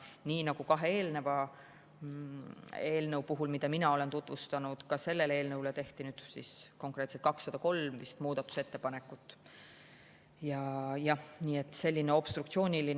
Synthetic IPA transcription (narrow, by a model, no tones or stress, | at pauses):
niːnɑɡ̥ukɑɦe̞e̞ːlne̞vɑ | e̞ːlnəuwpuɦulmid̪̥ɑminɑo̞le̞nt̪ut̪ːˑvust̪ɑnud̪̥kɑse̞lːe̞le̞ːlnɤwlet̪e̞ht̪inyːd̪̥sisko̞ŋkˑre̞ːt̪set̪kɑksːɑd̪̥ɑko̞lmvist̪muːd̪̥ɑt̪ːˑu̥se̞t̪ːe̞pɑne̞kːˑut̪ːˑ | jɑjɑhniːe̞t̪ːˑse̞lʲːineo̞b̥st̪ɾukt̪sio̞ːnʲilin